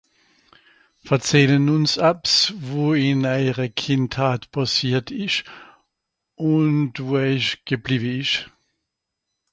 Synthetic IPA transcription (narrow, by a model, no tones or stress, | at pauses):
fɛɐt͡sɛːlənʊnsapsvoːɪnaɪʁəkʰɪnthaːtb̥ʰasiːɐtɪʃ | ʊntvoːɛçɡ̥əbliːbəɪʃ